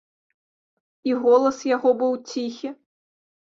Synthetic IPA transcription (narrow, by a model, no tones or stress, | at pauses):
iɣɔlˠɐsjaɣɔbɨwt͡sʲixʲi